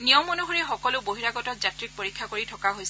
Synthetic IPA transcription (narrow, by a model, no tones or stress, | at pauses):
nijɔmːɔnuɦɔɹɛxɔkɔlʊboɦiɹaɡɔtɔtzatɹik̚poɹikʰːakoɹitʰɔkaɦojsɛ